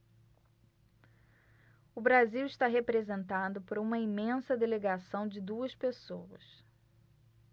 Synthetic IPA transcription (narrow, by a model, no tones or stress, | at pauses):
ʊbɾaziwɪʃt̪aɦepɾezẽnt̪ad̪ʊpoɾɐũmɐimẽsɐd̪eleɡasɐ̃w̃d͡ʒɪd̪uɐspesowɐ̰s